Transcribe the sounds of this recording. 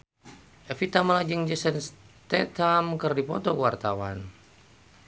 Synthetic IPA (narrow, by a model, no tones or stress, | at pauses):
ʔɛfit̪amalad͡ʒəŋd͡ʒəsənst̪ɛt̪ʰamkɨrdipɔt̪ɔkwart̪awa̰n